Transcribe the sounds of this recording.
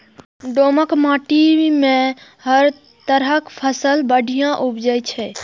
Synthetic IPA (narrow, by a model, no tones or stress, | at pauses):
ɖoməkmãʈimẽ | ɦəɾ | t̪əɾəkpʰəsəlbəɖʱijãʔubd͡ʒəjt͡ʃʰɛ